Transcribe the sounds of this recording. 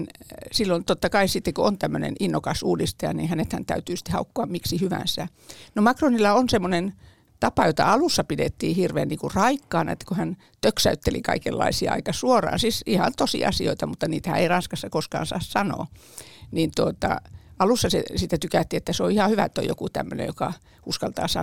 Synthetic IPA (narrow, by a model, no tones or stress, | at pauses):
nsilːont̪ot̪ːɑkɑisit̪ːekoont̪æmːønḛninːokɑsuːdist̪ɑjɑ̰nḭhænet̪hænt̪æ̰yt̪yːsi̥t̪ːehɑukːoɑmmiksihyʋæ̰nsæ | nomɑkronilːɑonsemːonen | t̪ɑpɑjot̪ɑ̰ɑlusːɑpidḛt̪ːiːhirʋḛːnniːkurɑikːɑːnɑ̰ḛt̪ːæ̥kohæn | t̪øksæyt̪ːelḭkɑ̰ikelːɑ̰isiɑ̰ɑ̰ikɑsuorɑ̰ːnsisihɑnt̪osḭʔɑ̰sioit̪ɑmut̪ːɑniːt̪æhæ̰eirɑnskɑsːɑkoskɑ̰ːnsɑ̰ːssɑno̰ː | nint̪uot̪ɑ̰ɑlusːɑsḛsit̪ːæt̪ykæt̪ːiːet̪ːæseoihɑhyʋæet̪ːo̰jo̰kut̪æ̰mːønḛjokɑ | uskɑlt̪ɑ̰ːsɑ̰